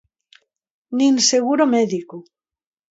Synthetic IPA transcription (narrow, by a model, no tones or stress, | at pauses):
ninseɣuɾomeðiku